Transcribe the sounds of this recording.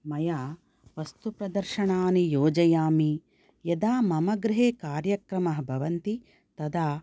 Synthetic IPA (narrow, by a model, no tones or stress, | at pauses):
mɐjaː | ʋɐst̪upɾɐd̪ɐɾʃɐɳaːnijoːd͡ʒɐjaːmi | jɐd̪aːmɐmɐɡɾɪɦeːkaːɾjɐkɾɐmɐɦɐbʱɐʋɐnt̪i | t̪ɐd̪aː